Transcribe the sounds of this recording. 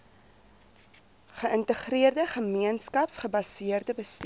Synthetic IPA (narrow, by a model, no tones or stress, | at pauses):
χəəntəχriərdəχəmiənskɐpsχəbɐsiərdəbəst